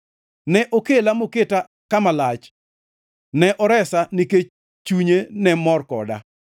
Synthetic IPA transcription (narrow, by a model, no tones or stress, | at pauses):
nɛʔokelamoketa | kamalat͡ʃ | nɛʔɔɾɛsanike | t͡ʃuɲenɛmɔrkɔ̰da̰